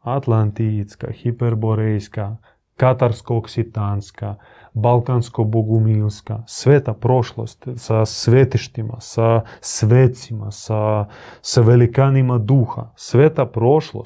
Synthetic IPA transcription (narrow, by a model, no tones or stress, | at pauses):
at̪lˠant̪iska̰xipeɾboɾejska | kat̪aɾskoːksit̪anska | balkanskoboɡumilskasʋet̪apɾo̞ʃlo̰st̪sasʋet̪iʃt̪ima̰sasʋet̪simasasaʋelikanimad̪uːxa̰sʋet̪apɾo̞ʃlo̰